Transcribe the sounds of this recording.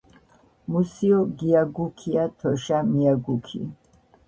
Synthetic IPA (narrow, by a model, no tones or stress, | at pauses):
musiɔɡiaɡukʰiat̪ʰɔʃamiaɡukʰḭ